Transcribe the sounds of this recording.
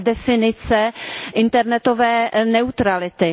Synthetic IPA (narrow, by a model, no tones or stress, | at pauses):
dɛfɪnɪt͡sɛʔɪnt̪ɛɾnɛt̪ovɛːnɛut̪ɾalɪt̪ɪ